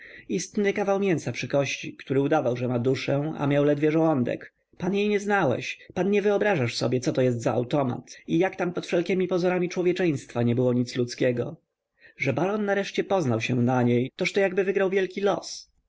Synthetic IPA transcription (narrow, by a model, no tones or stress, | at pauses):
ist̪nɘkavawmʲjɛnsapʂɘkɔɕt͡ɕḭkt̪uɾɘud̪avawʐɛmad̪uʂɛ̃a̰mjawlɛd̪vʲjɛʐɔwɔnd̪ɛ̰k | panjejɲɛznawɛ̰ɕpanɲɛvɘɔbɾaʐaʂsɔbʲjɛt̪sɔt̪ɔjɛs̬t̪zaa̰wt̪ɔma̰t̪ijakt̪ampɔt̪fʂɛlkʲɛmʲipɔzɔɾamʲit͡ʂwɔvʲjɛt͡ʂɛj̃st̪faɲɛbɘwɔɲit̪slut̪skʲɛɡɔ̰ | ʐɛbaɾɔnːaɾɛʂt͡ɕɛpɔznawɕɛnaɲejt̪ɔʂt̪ɔjaɡbɘvɘɡɾawvʲjɛlkʲilɔ̰s